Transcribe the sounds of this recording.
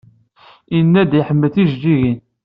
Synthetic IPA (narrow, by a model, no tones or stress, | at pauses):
inːæd̪iħəmːəθiʒdiʝin